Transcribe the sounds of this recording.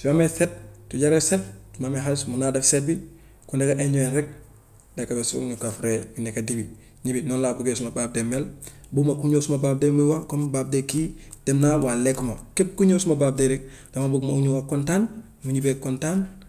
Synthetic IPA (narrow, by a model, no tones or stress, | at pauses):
simameset̚tuɟaɾeset̚tumameɦalsmunaːdefset̚bi | kundekaʔeɲuenɾek̚ | dekabesṵɲukafɾebinekadibi | ɲibinonlabukesumabaːb̚demel | bumakuɲoːsumabaːb̚demuwakombaːb̚dekid̥emnawalːekumakep̚kuɲosumabab̚deɾek̚ | domabukmauɲuwakontaːn | muɲibekontan